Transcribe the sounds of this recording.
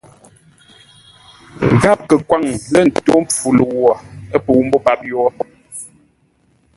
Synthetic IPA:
ɣa˦p̚kə˨kwa˦˨ŋlə˦n̩˨to˦m̩p͡fu˨lu˨wɔ˨ə˦pu˨wm̩˦bɔ˦pa˦p̚jɔ˦

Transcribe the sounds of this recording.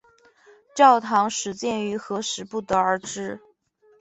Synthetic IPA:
ʈ͡ʂjɑ˥˩ʊt̪ʰɑ˧˥ŋʂɻ̩˨˧˥t͡ɕjɛ˥˩ny˧˥xɤ˧˥ʂɻ̩˧˥pu˥˩t̪ə˩ə˞˧˥ʈ͡ʂɻ̩˥

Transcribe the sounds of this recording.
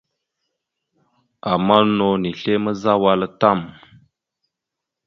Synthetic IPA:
a˨ma˦no˨ni˨ɬe˦mə˦za˦wa˦la˦ta˦˨m

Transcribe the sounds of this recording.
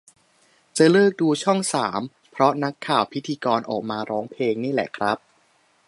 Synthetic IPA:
t͡ɕaː˨˩lɤː˥˩k̚duː˧t͡ɕʰɔ˥˩ŋsaː˩˦m | pʰɾɔ˦˥na˦˥kʰːaː˨˩wpʰi˦˥t̪ʰiː˧kɔː˧nʔɔ̰ː˨˩k̚maː˧ɾɔː˦˥ŋpʰleː˧ŋniː˥˩lɛ̰˨˩kʰɾa˦˥p̚

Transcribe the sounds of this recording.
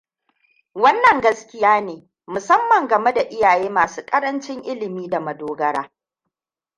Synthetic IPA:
wɐ˦nːɐ˨ŋɡɐ˦skʲɪ˦jaː˦neː˨ | mʊ˨sɐ˦mːɐ˨ŋɡɐ˨me˦da˨ʔɪ˦jaː˨jeː˦maː˨suː˦kʼɐ˦ɾɐ˦nt͡ʃɪ˦ŋʔɪ˦lɪ˨miː˦da˨mɐ˨doː˦ɡɐ˦ɽaː˦

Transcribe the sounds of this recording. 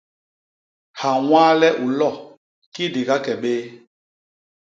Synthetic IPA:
ha˨wãː˦lɛ˦ʔu˨lɔ˦˨ | ki˦di˨ka˦kɛ˨ɓeː˦

